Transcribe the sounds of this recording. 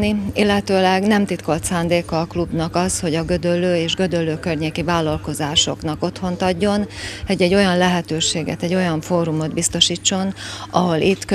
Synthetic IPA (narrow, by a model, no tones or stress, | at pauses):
niilːɛt̪øːlɛɡnɛmt̪it̪ko̞lt̪saːnd̪eːkɒːklubnɒkɒsho̞ɟɒɡød̪ølːøːeːʒɡø̞d̪ølːøːkørɲeːkivaːlːɒlko̞zaːʃo̞̰knɒko̞t̪ho̞nt̪ɒɟːo̞nɛɟːɛɟːo̞jɒnlɛɦɛt̪øːʃeːɡɛ̰t̪ɛɟːo̞jɒɱfoːɾumo̞d̪bist̪o̞ʃiːt͡ʃːo̞nɒɦo̞lit̪ːk